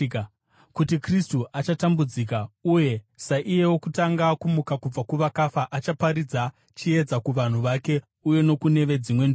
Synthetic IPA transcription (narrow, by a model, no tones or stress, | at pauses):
kutikristuʔat͡ʃatambud͡zikauje̞ | saʔije̞wo̞kutaŋɡakumukakub͡vakuʋakafaʔat͡ʃapaɾid͡za | t͡ʃie̞d͡zakuʋan̤uʋake̞ | uje̞no̞kune̞ʋe̞d͡zimwe̞nd